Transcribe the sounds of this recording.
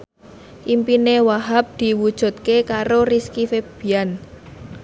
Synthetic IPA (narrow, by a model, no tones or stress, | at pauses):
ʔimpinewaɦap̚d̪̥i̤wud̥ʒ̥ṳt̪̚kekaɾoriskifeb̥i̤an